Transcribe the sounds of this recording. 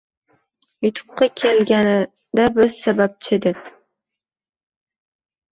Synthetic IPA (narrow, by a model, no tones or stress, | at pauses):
jʊt̪ʰʊ̥p̚qɑkʲʰelɡʲanɪ | d̪abɪz̥sabap̚t͡ʃʰɪd̪ɪp̚